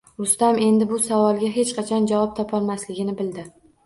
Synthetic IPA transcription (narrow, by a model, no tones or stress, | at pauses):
ʊst̪ame̞nd̪ɪbʊsavɒlˠɡʲaɦe̞t͡ʃqɑt͡ʃʰɒnd͡ʒavɒp̚t̪ʰɒpʰɒlˠmaslɪɡʲɪnɪbɪld̪ɪ